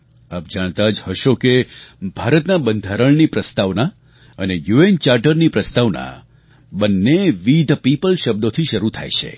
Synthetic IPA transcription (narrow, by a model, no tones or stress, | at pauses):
ap̚d͡ʒaɽ̃t̪ad͡ʒhəʃokebʱaɾət̪nabənd̪ʱaɾəɭnipɾəst̪aʋna | ənejuent͡ʃaɾʈəɾnipɾəst̪aʋna̰ | bənːeʋid̪ʱpipəlʃəb̚d̪ot̪ʰiʃəɾut̪ʰa̰jt͡ʃʰḛ